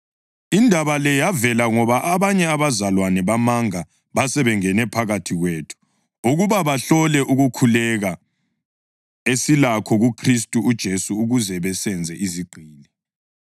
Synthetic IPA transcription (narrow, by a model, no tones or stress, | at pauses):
indʱaβalɛjavɛlaŋɔβaʔaβaɲɛaβazalwanɛβamaŋa | βasɛβɛŋɛnɛpʰaɣatʰiɣweːtʰu̥ | uɣuβaβaɬɔlɛʔuɣukʰulɛɣa | esilakʰɔɣukʰris̬tʼuːd̥ʒ̥ʱesuːɣuzɛβɛsɛnd͡zʱɛʔiziɡ͡ǃʱiːni